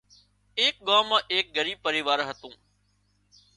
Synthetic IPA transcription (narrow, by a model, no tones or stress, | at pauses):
eːk̚ɠaːmãːʔeːk̚ɡəɾiːb̚pəɾiːʋaːɾɦət̪ũː